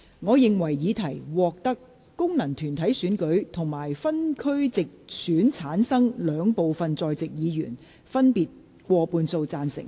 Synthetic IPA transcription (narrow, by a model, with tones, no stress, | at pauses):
ŋɔː˨˧jɪ˨ŋwɐ˨˩jːiː˨˧t̪ʰɐ˨˩jwɔː˨k̚t̪ɐ˥kː | ʊ˥ŋnɐ˨˩ŋt̪ʰyː˨˩nt̪ʰɐ˨˥jsyː˨˥nkɵ˨˥ɥt̪ʰʊ˨˩ŋmaː˨˩jfɐ˥nkʰɵ˥ɥt͡sɪ˨k̚syː˨˥nt͡sʰaː˨˥nsɐ˥ŋlœː˨˧ŋpo˨wfɐ˨nt͡sɔː˨˧jt͡sɪ˨k̚jiː˨˧jy̰ː˨˩n | fɐ˥npiː˨t̚ | kʷɔː˧puː˧nso˧wt͡saː˧nsɪ̰˨˩ŋ